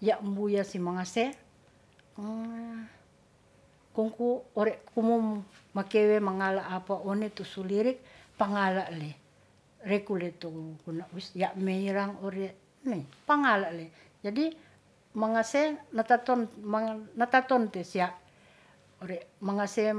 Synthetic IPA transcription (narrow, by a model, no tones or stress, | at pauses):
jaʔmbujasimaŋase | kɔŋkuɔɾɛʔkumumːakewemaŋalaʔːpaonet̪osuliɾik̚paŋalaʔle | rekulɛt̪okunauisjaʔmeiɾaŋoɾɛ | meipaŋalaʔle | d͡ʒadi | maŋasenat̪at̪ɔnmanat̪at̪ɔnt̪ɛsiaʔ | oɾɛʔmaŋase